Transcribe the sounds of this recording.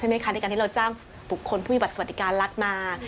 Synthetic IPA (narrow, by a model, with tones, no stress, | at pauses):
a˦˥jma˥jkʰa˥˩na˧˥˩ka˧t̪ʰiː˥˧wt͡ɕaː˥˩ŋ | bu˨˩kʰːo˧npʰuː˥˩iː˧ba˨˩t̪st̪̚ːi˦˧kaː˧nla˦˥t̪̚maː˧